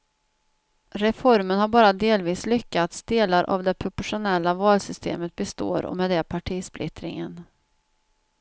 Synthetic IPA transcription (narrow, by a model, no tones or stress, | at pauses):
ɾɛfɔɾmənhaɾbɑːɾad̪eːlviːslʏkːat̪sd̪eːlaɾʔa̰vd̪ɛpʰɾʊpɔʂʊnɛlːavɑːlsʏst̪ʰḛːmət̪̚bɛst̪o̰ːɾɔ̰mɛd̪ɛpʰaʈʰiːsplɪt̪ɾɪ̰ŋən